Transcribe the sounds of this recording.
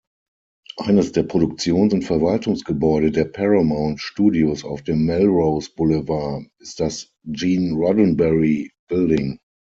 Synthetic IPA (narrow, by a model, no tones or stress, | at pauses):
ʔaɪnəsd̥eːɐpʁ̥oɾʊk̚t͡sjoːnsʊntfɛɐvaltʊŋsɡ̥əbɔʏɾədeːɐpʰɛʁamãʊ̃ntʃtuːdiosa̰ʊfd̥eːmːɛlʁoʊsb̥ʊləvaɐɪstd̥as | d͡ʒiːnʁɔdnbɛʁib̥ɪldɪŋ